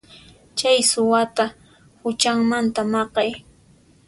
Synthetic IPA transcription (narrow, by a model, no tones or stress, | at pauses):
t͡ʃajsʊwat̪a | hʊt͡ʃaŋmant̪amɑqɑj